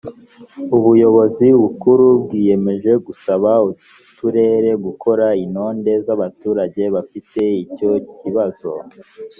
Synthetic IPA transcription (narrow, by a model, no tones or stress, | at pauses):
uβujo̞βo̞ziβukuɾubɡiːje̞me̞ʒe̞ɡusaβau | tuɾe̞ɾe̞ɡukʰo̞ɾaino̞ːnde̞zaβatuːɾaɟe̞βafite̞ico̞ciβaz̥o̞̰